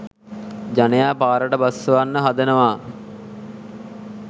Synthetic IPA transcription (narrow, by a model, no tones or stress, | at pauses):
d͡ʒanejaːpaːɾəʈəbasːəʋanːəɦad̪ənəʋaː